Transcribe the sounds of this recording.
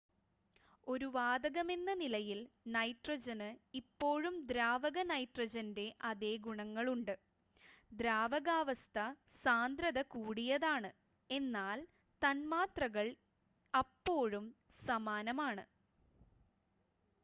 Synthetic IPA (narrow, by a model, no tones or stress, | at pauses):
o̞ɾuʋaːd̪ɐɣɐme̞nːɐnilɐjilnɐjʈrɐd͡ʑɐnɨipːo̞ːɻumd̪ɾaːʋɐɣɐnɐjʈrɐd͡ʑɐnde̞ʔɐðe̞ːɡuɳɐŋːɐɭuɳɖɨ | d̪ɾaːʋɐɣaːʋɐst̪ʰɐ | saːnd̪ɾɐðɐkuːɽijɐðaːɳɨ | e̞nːaːl | t̪ɐnmaːt̪rɐɣɐɭ | ɐpːo̞ːɻum | sɐmaːnɐmaːɳɨ